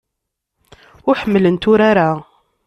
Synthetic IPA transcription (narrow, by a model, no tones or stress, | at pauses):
ʊɾħəmːələnt̪ʊɾaɾa